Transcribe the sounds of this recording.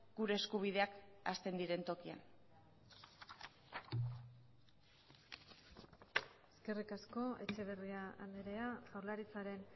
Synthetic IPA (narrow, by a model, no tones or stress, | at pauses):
ɡ̥uɾe̞ːskuβ̞iðe̞akast̪e̞nd̪iɾe̞nt̪o̞kia̰n | eske̞rikasko̞e̞̰t͡ʃe̞β̞e̞riaand̪eɾe̞asawɾlaɾit͡saɾe̞n